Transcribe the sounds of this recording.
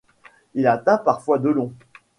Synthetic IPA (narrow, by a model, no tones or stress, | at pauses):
ilat̪ɛ̃paʁfwad̪əlɔ̃